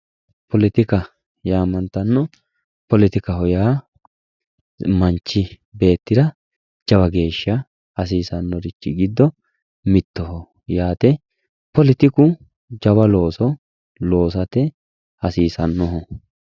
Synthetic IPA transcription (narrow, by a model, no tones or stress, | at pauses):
pɔlɪt̪ɪkɐ | jaːmɐnt̪ɐnːɔ | pɔlɪt̪ɪkɐhɔjaː | mɐnt͡ʃːɪ | be̞ːt̪ːɪd̪ɐ | d͡ʒɐβɐɡe̞ːʃːɐ | ɐs̬iːsɐnːɔɾɪt͡ʃːɪɡɪd̪ːɔ | mɪt̪ːɔɦɔ | jaːt̪ɛ | pɔlɪt̪ɪkʊ | d͡ʒɐbɐlo̞ːsɔ | lo̞ːs̬ɐt̪ɛ | hɐsiːsɐnːɔɦɔ